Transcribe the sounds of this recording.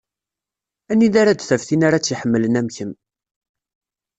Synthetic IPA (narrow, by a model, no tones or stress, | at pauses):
ænːiðaɾad̪θæfθinaɾat͡sːiħəmːələnæmçəm